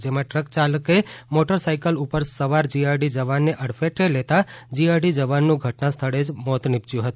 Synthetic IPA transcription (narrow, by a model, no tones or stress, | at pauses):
d͡ʒemãʈɾəkt͡ʃaləkemoʈəɾsajkəlupəɾsəʋaɾd͡ʒiaɾɖid͡ʒəʋanːeʔəɽfeʈelet̪ad͡ʒiaɾɖid͡ʒəʋanːũɡʱəʈnãst̪ʰəɽed͡ʒmɔt̪nɪp̚t͡ʃjũɦət̪ũ